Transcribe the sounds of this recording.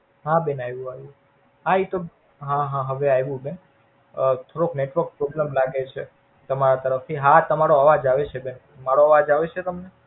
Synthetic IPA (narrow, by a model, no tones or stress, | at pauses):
ɦãbɛnajʋũajʋũ | ɦait̪o | ɦãɦãɦəʋeajʋũben | ət̪ʰoɾokneʈʋəɾk̚pɾɔbləmlaɡet͡ʃʰe | t̪əmaɾat̪əɾəft̪ʰiɦat̪əmaɾoaʋad͡ʒaʋet͡ʃʰebɛn | maɾoaʋad͡ʒaʋet͡ʃʰet̪əmne